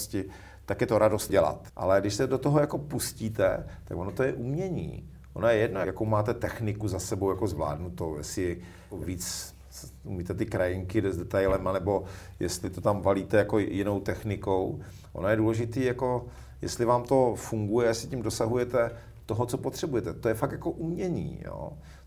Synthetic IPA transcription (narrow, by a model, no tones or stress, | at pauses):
scɪ | t̪akjɛt̪oɾʔadost̪̚ɟɛla̰t̪ʔa̰lɛɡdɪʃsɛdot̪oɦojako̞pusciːt̪ɛt̪akvonot̪ojɛʔumɲɛɲḭː | ʔonojɛjɛdnojjakowmaːt̪ɛt̪ɛxnɪkuzasɛbowjakozvla̰ːdnut̪owjɛsɪɛjakoviːt͡s | umiːt̪ɛt̪ɪkɾajɪŋkɪdɛzdɛt̪ajlɛmanɛbo̞jɛ̰st̪lɪt̪ot̪amvaliːt̪ɛjako̞jɪno̞wt̪ɛxnɪko̞w | ʔo̰nojɛduːlɛʒɪt̪iːjako̞ | jɛ̰st̪lɪvaːmt̪o̞fuŋɡujɛjɛsɪcɪmdo̞saɦujɛt̪ɛ | t̪oɦott͡sopot̪r̝̥ɛbujɛt̪ɛt̪ojɛfak̚t̪jako̞ʔumɲɛɲḭːjo̰ː